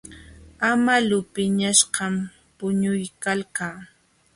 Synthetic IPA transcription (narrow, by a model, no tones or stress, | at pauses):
amalʊpɪɲaʃɢɑm | pʊɲʊjkalkaː